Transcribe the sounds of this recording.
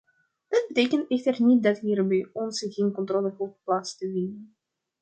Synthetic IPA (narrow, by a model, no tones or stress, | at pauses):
d̥ɑd̚bəteːkəntɛxtərnit̚dɑtɦiːrbɛjɔnsɣeːnkɔntroːləɣutplaːtstəvinən